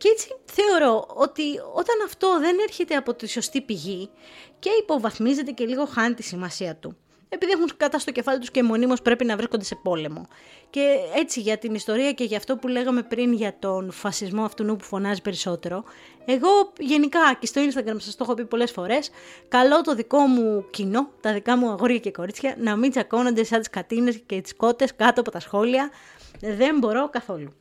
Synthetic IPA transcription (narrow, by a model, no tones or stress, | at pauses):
cet͡si̥θe̞o̞ɾo̞o̞t̪io̞t̪ɐnɐft̪o̞ðe̞ne̞ɾçe̞t̪e̞ɐpo̞t̪iso̞st̪ipiʝice̞ipo̞vɐθmize̞t̪̬e̞ce̞liɣo̞xɐnt̪isimɐsiɐt̪u | e̞piðiexunkɐt̪ɐst̪oce̞fɐlit̪uscemo̞nimospɾe̞pinɐvɾiskond̪e̞se̞po̞le̞mo̞̰ | ce̞e̞t͡siʝɐt̪inist̪o̞ɾiɐce̞ʝɐft̪o̞pule̞ɣɐme̞pɾinʝɐt̪o̞nfɐsizmo̞ɐft̪unupufo̞nɐzipe̞ɾiso̞t̪e̞ɾo̞ | e̞ɣo̞ʝe̞nikɐcest̪oinest̪ɐɡɾɐmɐsɐst̪oxopipo̞le̞sfo̞ɾe̞skɐlo̞t̪o̞ðiko̞mucino̞t̪ɐðikɐmuɐɣo̞ɾʝɐceko̞ɾit͡sçɐnɐmind͡zɐko̞nond̪e̞sɐnt̪i̥skɐt̪ine̞scet̪i̥sko̞t̪e̞skɐt̪oɐpo̞t̪ɐsxo̞liɐðe̞mbo̞ɾo̞kɐθo̞lu